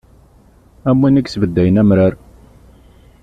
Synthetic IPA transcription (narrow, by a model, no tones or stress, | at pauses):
æmːinəksvəd̪ːæjənæmɾaɾ